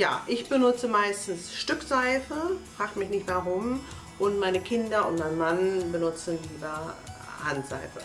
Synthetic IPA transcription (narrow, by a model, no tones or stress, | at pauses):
ja̰ːʔɪçb̥ənʊt͡səmaɪstn̩sʃtʏkz̥aɪfəfʁ̥aːxtmɪçnɪçtv̥aʁʊm | ʔʊntmaɪnəkʰɪndɐʊ̰ntmaɪnnmanbənʊt͡sn̩liːbɐ | hantz̥a̰ɪfə